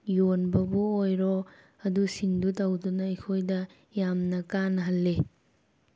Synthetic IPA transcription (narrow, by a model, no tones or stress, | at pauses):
jonbɐbuojɾɔ | ɐdusindutawdunɐɐjkʰojdɐ | jamnɐkanɦɐlːe